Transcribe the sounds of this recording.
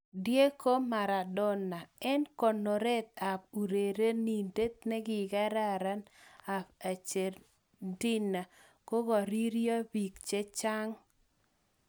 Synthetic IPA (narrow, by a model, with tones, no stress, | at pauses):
dje˦ko˦ma˨ɾa˨dɔ˦na˨ɛ˦nko˨no˨ɾe˦t̪̚a˨p̚u˨ɾe˨ɾe˦ni˨nde˦t̪̚ne˦ɡɪ˨ɡa˦ɾa˦ɾa˦na˨pa˨t͡ʃe˨r | di˦na˨ | ko˦ɡɔ˨ɾi˦ɾjɔ˦bi˨kt͡ʃe˦t͡ʃa˦ŋ